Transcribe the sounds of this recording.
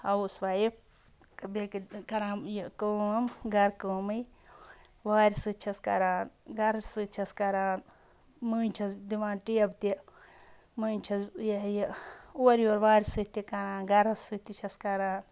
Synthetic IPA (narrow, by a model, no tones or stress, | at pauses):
ɐusʋajip̚ | kbekikɐɾãːmjikəːmɡɐɾkəːmɨj | ʋaːɾʲisɨt͡ʃʰɐskɐ̰ɾaːnɡɐɾɐsɨt͡ʃʰɐskɐɾaːn | mɨːnʲt͡ʃʰɐsd̪iʋãːnʈijɐbt̪i | mɨːnʲt͡ʃʰɐsjɐjɐuɐɾjoːɾʋaːɾʲisɨt̪ikɐɾãːnɡɐɾɐsɨt̪it͡ʃʰɐskɐɾaːn